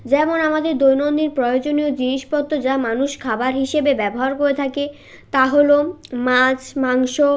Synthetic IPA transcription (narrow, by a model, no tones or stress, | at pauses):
d͡ʑɛmonamad̪eɾd̪ojnond̪iɾpɾɔjod͡ʑoniod͡ʑiniʃpɔt̪ːod͡ʑamanuʃkʰabaɾɦiʃebebɛboɦaɾkoɾet̪ʰake | t̪aɦolomad͡ʑmaŋʃo